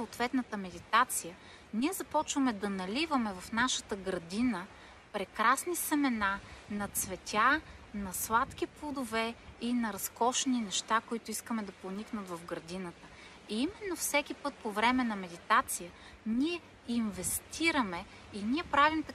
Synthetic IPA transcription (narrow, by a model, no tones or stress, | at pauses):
oːt̪vɛt̪nət̪əmɛd̪it̪at̪sijə | niɛzɐpɔt͡ʃvəmɛd̪ɐnɐlivəmɛvɐfnaʃə̥t̪əɡɾɐd̪inə | pɾɛkɾasnisɛmɛnanɐt̪svɛt̪ʲanɐslˠat̪k̟iplˠod̪ovɛinɐɾɐskɔʃninɛʃt̪akoit̪ʊiskəmɛd̪ɐponiknət̪vɐfɡɾɐd̪inət̪ə | iimɛnːofsɛk̟ʲipɤt̪̚povɾɛmɛnɐmɛd̪it̪at̪sijə | niɛ | invɛst̪iɾəmɛ | iniɛpɾavimt̪ɐ